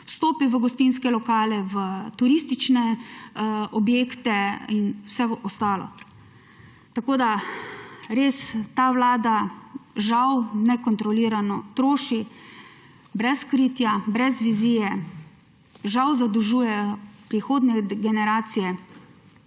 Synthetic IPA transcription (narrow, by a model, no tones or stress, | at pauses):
st̪oːpiʋəɡɔst̪inskɛlɔkaːlɛʋət̪uɾist̪it͡ʃnɛ | ɔbjeːkt̪ɛinwsɛʋəʔɔst̪aːlɔ̰ | t̪akoːd̪a | ɾeːst̪aʋlaːd̪aʒawnɛkɔnt̪ɾɔliːɾanɔt̪ɾoːʃi | bɾɛskɾiːt̪jabɾɛzʋiziːjɛ | ʒawzad̪uʒuːjɛpɾixoːd̪nɛɡɛnɛɾaːt̪sijɛ